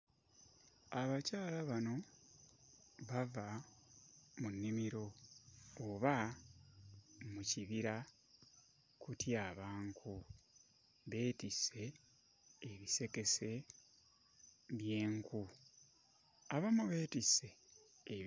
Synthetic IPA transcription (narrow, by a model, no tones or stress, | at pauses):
aβacaːlaβano̞ | βava | munːimiɾo̞ː | βa | muciβiɾa | kutʰjaːβaːŋkʰu | βe̞ːtise̞ː | βise̞ke̞se̞ | βje̞ːŋku | aβamuβe̞ːtise̞ː